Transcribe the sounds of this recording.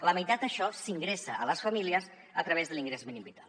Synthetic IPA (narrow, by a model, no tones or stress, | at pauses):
ləməjt̪at̪̚d̪əʃɔsiŋɡɾesəələsfəmiliəs | ət̪ɾəβ̞ezðəliŋɡɾezminimbit̪al